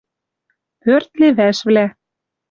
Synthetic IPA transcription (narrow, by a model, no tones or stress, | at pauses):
pøɾt̪leβæʃvlæ